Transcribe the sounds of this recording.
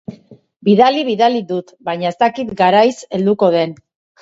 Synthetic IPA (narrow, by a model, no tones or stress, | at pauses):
biðaliβiðalid̪ut̪bajɲae̞st̪akit̪ɡaɾajse̞ld̪uko̞ðe̞n